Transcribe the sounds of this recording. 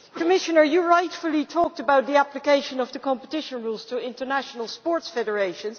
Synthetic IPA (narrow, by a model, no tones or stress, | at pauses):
kʰəmɪʃənə˞jɨɹaɪtfəl̩ˠitʰɔk̚təbaʊt̪̚ðiæplɨkeɪʃə̃nʌvðəkɑ̃mpətɪʃə̃nɹulˠz̥tʰəɪ̃ntə˞næʃənəlˠspɔɹtsfɛɾə˞eɪʃə̃nz